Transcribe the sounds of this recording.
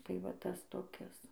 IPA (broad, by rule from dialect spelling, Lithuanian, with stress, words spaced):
tɐɪ ˈʋɐt ˈtɐs toːˈkʲɪs